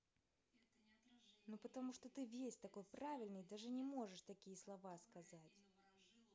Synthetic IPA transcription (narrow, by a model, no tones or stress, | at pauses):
nupət̪amuʂt̪ɔt̪ɨvʲesʲt̪akojpɾavʲɪlʲnɨjd̪aʐɨnʲɛmɔʐɨʂt̪akʲijɐslˠavaskazat͡sʲ